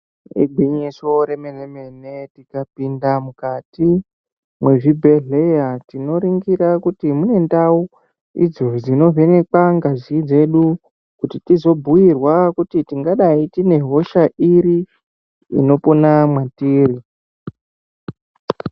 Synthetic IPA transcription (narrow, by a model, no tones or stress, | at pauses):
ḭɡʱiɲiso̞ɾe̞meneme̞ne̞tikapindamukati | mwe̞ʐibʱe̞ɮe̞jatino̞ɾiŋɡiɾakutimune̞ndau | ḭd͡zo̞d͡zino̞ve̞ne̞kaŋɡazid͡ze̞ɗu | kutitizo̞bʱuwirwakutitiŋɡaɗaitine̞ɦo̞ʃaʔiɾi | ḭno̞po̞namwatiːri